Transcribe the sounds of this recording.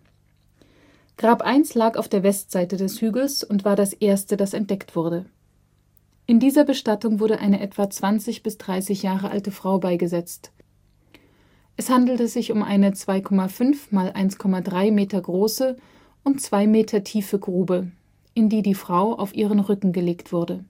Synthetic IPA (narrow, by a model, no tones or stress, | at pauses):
ɡ̥ʁaːpʔaɪnslaːkaʊfd̥eːɐvɛstz̥aɪtədɛshyːɡl̩sʊntv̥aːɐɾasʔeːɐstədasɛnt̚d̥ɛktv̥ʊɐdə | ʔɪndiːzɐbəʃtatʊŋvʊɐɾəʔaɪnəʔɛtv̥at͡sv̥ant͡sɪçb̥ɪsd̥ʁaɪsɪçjaːʁəʔa̰ltəfʁ̥aʊbaɪɡəzɛt͡st | ʔɛshandl̩təzɪçʊmʔa̰ɪnət͡sv̥aɪkʰɔmafʏnfmaːlʔa̰ɪnskʰɔmadʁaɪmeːtɐɡʁoːsə | ʔʊnt͡sv̥aɪmeːtʰɐtʰiːfəɡʁuːbə | ʔɪndiːdiːfʁ̥aʊʔa̰ʊfʔiːʁ̞ənʁʏkŋ̩ɡəleːktv̥ʊɐdə